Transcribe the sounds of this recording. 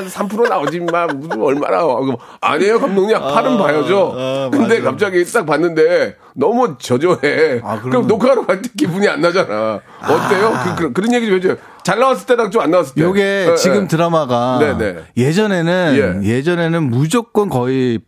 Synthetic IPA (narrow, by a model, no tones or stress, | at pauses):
sʰampʰɯɾonaʌd͡ʑimakmusɯmʌɭma̰na̰ | a̰ɲejokamdoŋɲimapʰaɾɯnbajʌd͡ʑokɯnde̞kap̚t͡ɕ͈aɡist͈ak̚panːɯnde̞ | nʌmut͡ɕʌd͡ʑoekɯɾimnokʰaɾokaɭt͈ʰe̥kibuɲia̰nːad͡ʑana | ʌt͈ejokɯkɯɾkɯɾʌnje̞ɡitomɦed͡ʑojo | t͡ɕaɭːawas̬͈ɯɭt͈eɾaŋt͡ɕomanːawas̬͈ɯɭtjeoɡet͡ɕiɡɯmtɯɾamaɡane̞ne̞̰je̞d͡ʑʌne̞nɯne̞je̞d͡ʑʌne̞nɯnmud͡ʑok̚k͈ʌnkʌi